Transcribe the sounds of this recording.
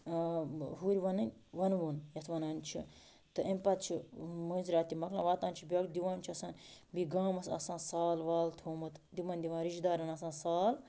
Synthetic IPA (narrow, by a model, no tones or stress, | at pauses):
ɦuːɾʲʋɐnɨnʲʋɐnʋoːnjɐt̪ʰʋɐnaːnʲt͡ʃʰḭ | t̪ɨʔemʲpɐt̪̚t͡ʃʰimuːnzɾaːt̪ʲimɐklã̰ːʋaːt̪ãːnt͡ʃʰibiɐkd̪iʋãːnt͡ʃʰiɐsãːnbiɡaːmɐsɐ̰sãːsaːlʋaːlt̪ʰoːmɨt̪d̪imɐ̃nʲd̪ʲiʋãːɾiʃd̪aːɾɐnɐsãːsaːl